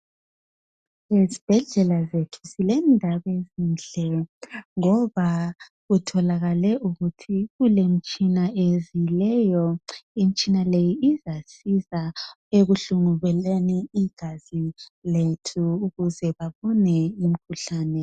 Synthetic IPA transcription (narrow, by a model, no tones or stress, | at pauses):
ezib̥ʱɛɮɛlazetʰu̥silɛndʱaβezind͡ɮʱɛŋɔβa | ɣutʰɔlaɣalɛʔuɣutʰiɣulem̩t͡ʃʼinaezilɛjɔim̩t͡ʃʼinalejiːzasiza | eɣuɬuŋuβɛleniiɡ̥ʱaziletʰuːɣuzɛβaβɔnɛim̩kʰuɬaːnɛ